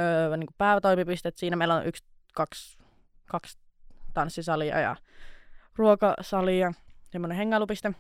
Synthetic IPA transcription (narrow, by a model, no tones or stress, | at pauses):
niːŋkuppæˑeʋæt̪oimipist̪et̪siːnæmeilːæonʔyks | kɑks | kɑks | t̪ɑnsːisɑliɑ̰jɑ̰ | ruokɑsɑliɑsemːoneheŋːɑlupist̪e